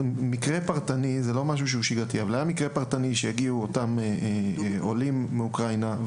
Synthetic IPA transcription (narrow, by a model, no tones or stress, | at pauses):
mikʁepaʁt̪anizelo̞maʃ̬uʃ̬euʃiɡat̪iavalajamikʁepaʁt̪aniʃejaɡiuotame | olimːeukʁajna